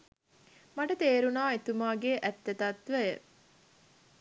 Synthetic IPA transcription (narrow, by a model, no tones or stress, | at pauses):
maʈət̪eːɾunaːet̪umaːɡeːʔæt̪ːet̪ɐt̪ʋæjə̰